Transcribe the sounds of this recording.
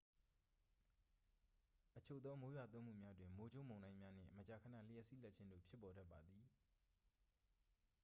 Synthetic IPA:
ʔət͡ɕʰo˦˨d̪ɔ˦mo˦ja˨t̪ʊ̃˦m̥ṵ˦˨mja˦dwɪ̃˨mo˦d͡ʑo˦ʔmõ˨ʊ̃nã˦ɪ̃mja˦n̥ɪ̰̃˦˨mət͡ɕa˨kʰə˨nä̰˦˨l̥ə˦jɛ˦ʔsḭ˦˨lɛ˦t̚t͡ɕʰɪ̃˦ndo̰˦˨pʰjɪ˦pːɔ˨da˦pːa˨d̪ði˨

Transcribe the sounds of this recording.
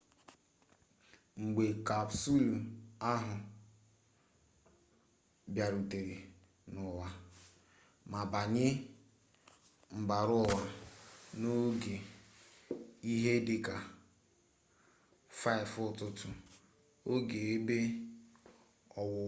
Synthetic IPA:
ŋ͡m̩˨ɡ͡be˨ka˨bsu˦la˦ɦʊ˨ | bja˨ɾu˨te˨ɾe˨ | nʊ˨wa˨ | ma˨ba˨ɲɪ˦ | ŋ͡m̩˨ba˨ɾʊ˦wa˨no˦ɡe˨ | i˦ɦe˦de˨ka˨ | fa˦ɪ˨fʊ˦˨tʊ˦tʊ˨ | o˦ɡe˨e˦be˦ | ɔ˨wʊ˨

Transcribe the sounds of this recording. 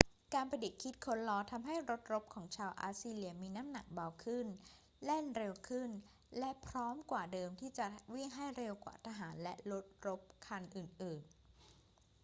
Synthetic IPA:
kaː˧npʰa˧di˨˩t̪̚kʰi˦˥t̪̚kʰo˦˥nlɔː˧t̪ʰa˧mɦa˥˩jɾo˦˥t̪̚ɾo˦˥p̚kʰɔː˩˦ŋt͡ɕʰaː˧wʔa̰ː˧˥siː˧li˧ɐmiː˧naː˦˥mna˨˩k̚ba˧wkʰɯ˥˩n | le˥˩nɾe˧wkʰɯ˥˩n | lɛ˦˥pʰɾɔː˦˥mkwaː˨˩dɤː˧mt̪ʰiː˥˩t͡ɕa˨˩wi˥˩ŋɦa˥˩jɾe˧wkwa̰ː˨˩t̪ʰa˧ɦaː˩˦nlɛ̰˦˥ʔɾo˦˥t̪̚ɾo˦˥p̚kʰa˧nʔɯː˨˩nʔɯː˨˩n

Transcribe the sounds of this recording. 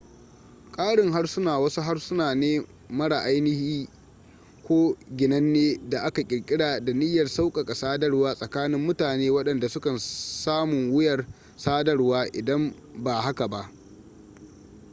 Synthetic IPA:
kʼaː˦ɽɪ˨ŋɦa˦rsʊ˦naː˨wɐ˦su˦ɦa˦rsʊ˦naː˨neː˦ | mɐ˦ɽa˨ʔa˦jnɪ˦hiː˦ | kʷoː˦ɡʲɪ˨nɐ˦nːeː˦da˨ʔa˦ka˨kʲʼɪ˨ɽkʲʼɪ˦ɽaː˨da˨nɪ˦jːɐ˨rsa˦wkʼɐ˨kʼa˨saː˦dɐ˦rwaː˦sʼɐ˨kaː˦nɪ˦mːʊ˦taː˨neː˦wɐ˦ɗɐ˨nda˨sʊ˦kɐ˨nsaː˦mʊ˨ŋwʊ˦jɐ˨r | saː˦dɐ˦rwaː˦ʔɪ˨dɐ˦m | ba˨ha˦ka˨ba˦ʔ

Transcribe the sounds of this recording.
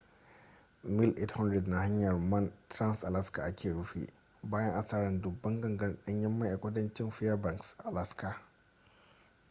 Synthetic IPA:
mi˦lʔḛ˦thɐ˦ndɾɛ˨dna˨ɦa˦ɲːɐ˨rmɐ˦ntɾa˦nsa˨la˦ska˨ʔa˦kʲʰeː˨ɽu˦fḭ˨ | baː˦jɐ˦ŋʔa˨saː˦ɾɐ˨ndʊ˨bːɐ˦ŋɡɐ˨ŋɡɐ˦ɗɐ˦ɲjɐ˦mːa˦ʔa˨kʷɐ˦dɐ˦nt͡ʃɪ˦nfi˦jɐ˦ba˨ŋksa˨la˦ska˦

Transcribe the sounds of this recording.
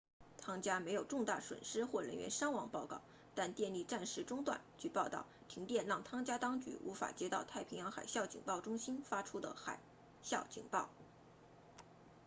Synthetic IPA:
t̪ʰɑ˥ŋt͡ɕja˥me˧˥ɪjo˨˩ʊʈ͡ʂʊ˥˧ŋt̪a˥˩ʂwə̰˨˩nʂɻ̩˥xwɔ˥˩ɻə̰˧˥nɥɛ̰˧˥nʂɑ˥ŋwɑ˨˩ŋpɑ˥˧ʊkɑ̰˥˩ʊ | t̪a˥˧nt̪jɛ˥˧nli˥˧ʈ͡ʂa˥˧nʂɻ̩˥˩ʈ͡ʂʊ˥ŋt̪wa̰˥˩nt͡ɕy˥˩pɑ˥˧ʊt̪ɑ̰˥˩ʊt̪ʰi˧˥ŋt̪jɛ˥˧nɻɑ˥˩ŋt̪ʰɑ˥ŋt͡ɕja˥t̪ɑ˥ŋt͡ɕy̰˧˥ʔṵ˧˥fa̰˨˩t͡ɕjɛ˥t̪ɑ˥˧ʊt̪ʰa˥˩ɪpʰi˧˥ŋjɑ˧˥ŋxa̰˨˩ɪɕjɑ˥˩ʊt͡ɕḭ˨˩ŋpɑ˥˩ʊʈ͡ʂʊ˥ŋɕi˥nfa˥ʈ͡ʂʰu˥d̪ə̰˨xa̰˨˩ɪ | ɕjɑ˥˩ʊt͡ɕḭ˨˩ŋpɑ˥˩ʊ

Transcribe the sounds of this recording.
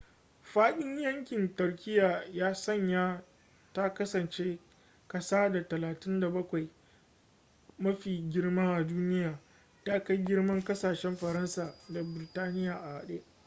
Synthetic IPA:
ɸaː˦ɗɪ˦ɲjɐ˦ŋkʲɪ˨ntʊ˨rkʲʰɪ˦jaː˨jaː˦sɐ˦˨ɲjaː˦ | ta˦kɐ˦sɐ˨nt͡ʃeː˦ | kɐ˨saː˦da˨tɐ˨laː˨tɪ˦nda˨bɐ˦kʷa˨j | mɐ˦ɸiː˨ɡʲɪ˦rmaː˦ʔa˨duː˦nɪ˦jaː˨ | ta˦ka˦jɡʲɪ˦rmɐ˦ŋkɐ˦saː˨ʃɛ˦mɸɐ˨ɾɐ˦nsaː˨da˨bɪ˨ɾɪ˨taː˦nɪ˦jaː˨ʔa˨hɐ˨ɗeː˦ʔ

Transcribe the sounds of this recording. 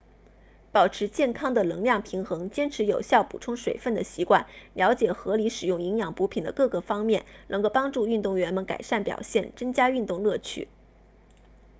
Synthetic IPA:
pɑ˨˩ʊʈ͡ʂʰɻ̩˧˥t͡ɕjɛ˥˩nkʰɑ˥ŋd̪ə˨lɤ˧˥ŋljɑ˥˩ŋpʰi˧˥ŋxɤ˧˥ŋt͡ɕjɛ˥nʈ͡ʂʰɻ̩˧˥jo˨˩ʊɕjɑ˥˩ʊpṵ˨˩ʈ͡ʂʰʊ˥ŋʂwe˨˩ɪfə˥˩nd̪ə˩ɕi˧˥kwa˥˩nljɑ˧˥ʊt͡ɕjɛ˨˩xɤ˧˥li˧˥ʂɻ̩˨˩jʊ˥˩ŋi˧˥ŋjɑ˨˩ŋpu˧˥pʰi˨˩nd̪ə̰˦kɤ˥˩ɡə˨˩fɑ˥ŋmjɛ˥˩nnɤ˧˥ŋko˥˧˩pɑ˥ŋʈ͡ʂu˥˧y˥˧t̪ʊ˥˩ŋɥɛ˧˥nmə˧nka̰˨˩ɪʂa˥˩npjɑ̰˨˩ʊɕjɛ˥˩nʈ͡ʂɤ˥ŋt͡ɕja˥y˥˧t̪ʊ˥˧ŋlɤ˥˩t͡ɕʰy̰˥˩

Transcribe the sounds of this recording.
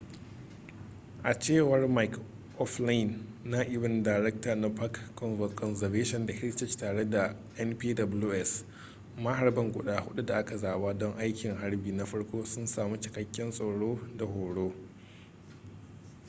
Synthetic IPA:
ʔa˨t͡ʃeː˦˨wɐ˨rma˨jk | ʔɔ˦fla˦jɪ˨nːa˦ʔɪ˨wɪ˨ndaː˨ɾɛ˦k̚taː˨na˦pa˦kːɔ˨nvɔ˨tkʰɔ˨nzɐ˨veː˦ʃɔ˨nda˨hɪ˦ɽt͡ʃɛ˦t͡ʃtaː˨ɽe˦da˨ | ʔɛ˦npiː˦dɐ˨bʊ˦luː˦ʔɛ˦s | ma˦ɦa˨ɾbɐ˦ŋɡʷʊ˨ɗaː˦hʊ˦ɗu˦da˨ʔa˦ka˨zaː˨waː˦dɔ˦ŋʔa˦jkʲɪ˨ŋɦa˦ɽbiː˨na˦ɸɐ˦ɽkʷoː˦sʊ˦nsaː˨mu˦t͡ʃɪ̥˨kɐ˨kʲːɛ˦nsʼo˨ɽoː˦da˨hoː˨ɽoː˦

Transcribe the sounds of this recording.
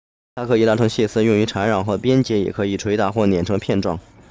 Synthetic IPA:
t̪ʰa˥kʰɤ˧˥i˨˩t̪a˥˩ʈ͡ʂʰɤ˧˥ŋɕjɛ˥˩sɹ̩˥˧jʊ˥˩ŋy˧˥ʈ͡ʂʰa˧˥nɻɑ˨˩ŋxɤ˧˥pjɛ˥nt͡ɕjɛ˧˥jɛ̰˨˩kʰɤ˧˥i˨˩ʈ͡ʂʰwe˧˥ɪt̪a˧˥xwɔ˥˩njɛ˨˩nʈ͡ʂʰɤ˧˥ŋpʰjɛ˥˧nʈ͡ʂwɑ̰˥˩ŋ

